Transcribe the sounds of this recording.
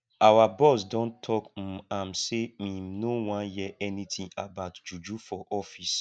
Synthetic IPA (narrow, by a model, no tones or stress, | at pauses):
awabɔsdɔ̃ntʰɔk̩am̩semĩmnowãnjɛɛnĩtĩabaʊtd͡ʒud͡ʒufɔʔɔfis